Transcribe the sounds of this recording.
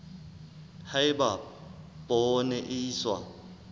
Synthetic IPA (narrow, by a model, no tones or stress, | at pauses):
haɪbapʼɔnɛʔɪswa̰